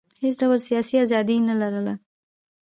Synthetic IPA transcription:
hes̬ɖawəlsijɑsiɑzɑd̪inalaɾəla

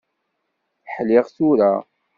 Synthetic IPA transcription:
ħlɪʁθuɾa

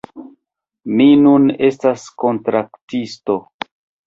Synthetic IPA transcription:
minune̞stasko̞ntɾaktisto̞

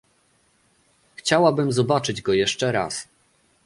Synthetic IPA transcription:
xt͡ɕawabɘmzɔbat͡ʂɘd͡ʑɡɔjɛʂt͡ʂɛɾa̰s

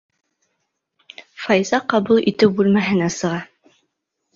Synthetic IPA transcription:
fɑjzɑqɑβulˠʔit̪ɘwbʉlmæɦɘ̆næsɤ̆ʁɑ

